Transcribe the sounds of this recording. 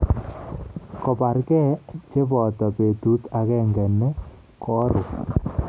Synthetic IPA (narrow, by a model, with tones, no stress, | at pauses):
kɔ˨pa˨ɾkɛ˦t͡ʃe˦bɔ˨tɔ˨pe˨tu˦ta˨kɛ˦˨ŋɡɛ˨nɛ˦ | kʰɔ˦ɾʊ˨